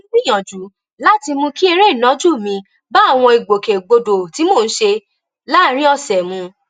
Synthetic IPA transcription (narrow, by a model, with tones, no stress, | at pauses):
li˦j̃ɔ̃˨d͡ʒu˨˦ | la˦ti˧mũ˧ki˦e˧ɾe˦˨nɔ̃˨˦d͡ʒu˦˨mĩ˧ | ba˦˨w̃ɔ̃˧i˨ɡ͡bo˨ke˨ɡ͡bo˧do˨ti˨˦mo˦˨n̩˦ʃe˧ | la˦˨˦ɾĩ˦ɔ˧sɛ˨mũ˧